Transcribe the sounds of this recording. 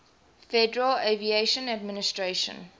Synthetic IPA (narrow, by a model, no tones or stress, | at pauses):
fɛdəɹəlevieʃə̃nad̚mɪnɪstɹeʃə̰̃n